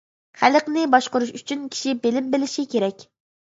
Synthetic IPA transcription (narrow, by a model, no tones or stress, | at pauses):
χæləqnɪbɑʃqʊɾuʃyt͡ʃʰynkʲʰi̥ʃibelɪmbɪlɪʃikʲʰeɾɛkʲ